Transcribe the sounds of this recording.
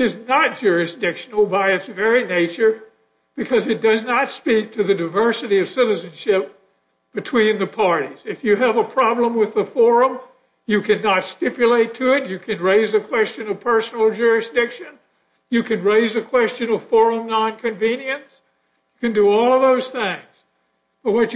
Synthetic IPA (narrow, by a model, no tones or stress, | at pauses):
ɨznət̚d̥ʒ̥ʊɹɨsd̥ɪkʃn̩l̩ˠbaɪɨtsvɛɹineɪt͡ʃə˞ | b̥ɨkʰʌzɨt̚d̥ʌznətspik̚tʰɨðɨdɨɪvɜ˞sɨɾiʌv̥sɪɾɨzɨ̃nʃɪp̚ | b̥ɨtʰw̥ĩnðɨpʰɑɹɾiz̥ɨfjɨːvəpʰɹ̥ɑblə̃mwɨðəfɔɹə̃m | jɨkʰɨ̃nətstɪpjɨleɪtʰɨɪt͡ʃɨkʰɨ̃nɹeɪzɨkʰw̥ɛst͡ʃɨ̃nʌv̥pʰɜ˞sn̩l̩ˠd͡ʒʊɹɨsd̥ɪkʃɨ̃n | jɨkɨ̃nɹeɪzɨkʰw̥ɛst͡ʃɨ̃nʌv̥fɔɹə̃mnɑ̃nkʰɨ̃ɱvĩnjɨ̃ns | jɨkɨ̃ndɨɔlˠʌvðoʊz̥θɪ̃ŋz̥ | b̥ʌt̚wʌ